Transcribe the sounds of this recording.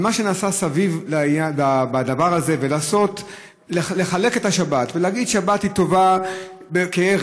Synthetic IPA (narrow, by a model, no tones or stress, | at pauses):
maʃe̞naːsasavivlaijababad̪avaʁaze̞velaːso̞t | leleχale̞ke̞thaʃabatveleaɡid̪ʃabathito̞va | bekee